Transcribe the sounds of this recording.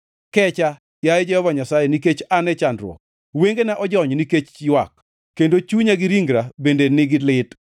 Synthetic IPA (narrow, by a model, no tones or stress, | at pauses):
kɛt͡ʃa | jajd͡ʒɛhɔvaɲasajeniket͡ʃanɛt͡ʃandɾwɔ̰ | weŋɡenaʔɔd͡ʒɔɲniket͡ʃjwak | kːendot͡ʃuɲaɡɪɾiŋɡɾabendenɪɡɪlɪt